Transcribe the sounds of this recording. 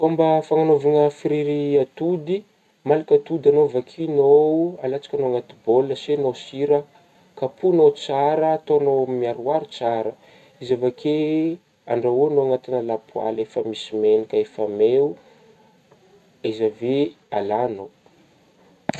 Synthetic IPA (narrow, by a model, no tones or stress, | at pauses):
ombəfaŋanovaŋəfiɾiɾiat̪ud̪i | malakʲat̪ud̪anovakʰinoalat͡sḁkʲanoaŋat̪iboləsenosiɾə | kapʰunot͡saɾəːt̪onomiaɾuaɾit͡saɾə | izavakʰe | a̰ɳɖ͡ʐaonoaŋat̪inəlapua̰lefəmisimenikʲəefameu | izave | alano